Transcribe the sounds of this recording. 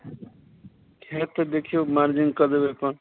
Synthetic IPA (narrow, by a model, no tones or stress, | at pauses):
kʰat̪ːʌd̪ekʰijomaɾd͡ʒiŋɡkʌd̪bepʌn